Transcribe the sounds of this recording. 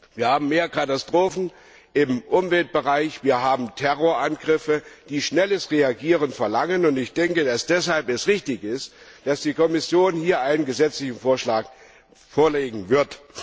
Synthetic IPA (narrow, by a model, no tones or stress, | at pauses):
viːɐhaːbm̩meːɐkʰatastʁ̥oːfn̩ | ɪmʔʊmvɛlt̚b̥əʁaɪçv̥iːɐɦaːbm̩tʰɛʁoːɐʔanɡʁɪfəd̥iːʃnɛləsʁeaɡiːʁ̞ənfɛɐlaŋənʊntɪçd̥ɛŋkəd̥asd̥ɛshalpɛsʁɪçtɪçɪst | d̥asd̥iːkɔmɪsjoːnhiːɐʔaɪnənɡəzɛt͡slɪçn̩foːɐʃlaːk | foːɐleːɡŋ̩vɪɐt